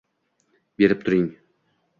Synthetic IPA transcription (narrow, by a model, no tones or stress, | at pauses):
be̞ɾɪp̚t̪ʰʊɾɪŋ